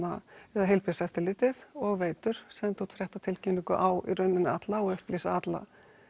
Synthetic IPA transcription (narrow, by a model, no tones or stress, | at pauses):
aɛðaɦejlpɪsɛft̪ɪɾlɪt̪ɪθɔɣveːjt̪ʏɾ̥sɛðnt̪ʰut̪fɾjɛht̪at̪ʰɪlcʰɛnːiŋkʏ̰ʔawḭrœɥnːɪnːɪat̪laɔɣʏhpliːsaat̪la̰